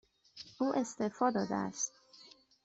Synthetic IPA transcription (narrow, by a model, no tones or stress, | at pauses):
ʔuːʔe̞st̪ʰefɒːd̪ɒːd̪ḛæ̰st̪̚